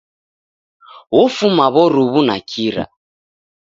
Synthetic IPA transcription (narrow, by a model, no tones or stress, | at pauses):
wɔfumaβɔɾuβunakʰiɾa̰